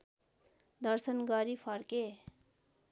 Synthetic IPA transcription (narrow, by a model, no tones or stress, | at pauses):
d̪ʌrsʌnɡʌɾipʰʌrke